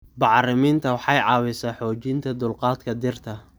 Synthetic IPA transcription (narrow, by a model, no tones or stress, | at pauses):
bɑʕrɪmiːnt̪ʰɐwɑħɑjʕɑːwɪsaːħɔːt͡ʃɪnt̪ʰɐd̪ʊlqɑːd̪kʰɐd̪ɪrt̪ʰɐ